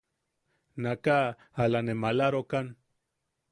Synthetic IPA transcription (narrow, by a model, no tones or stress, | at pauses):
naka | alanemalaɾokan